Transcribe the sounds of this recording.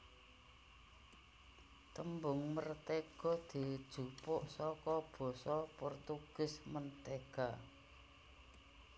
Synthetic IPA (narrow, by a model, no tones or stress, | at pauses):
t̪əmbʊŋmərt̪eɡ̥ɔ̤d̪̥i̤d̥ʒ̥ṳpʊʔsɔkɔb̥ɔ̤sɔpɔrt̪uɡ̥ʊ̤smənt̪eɡ̥a